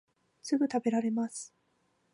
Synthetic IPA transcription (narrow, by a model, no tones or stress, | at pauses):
sɨɡɯ̟t̪abe̞ɾaɾe̞masɨ̥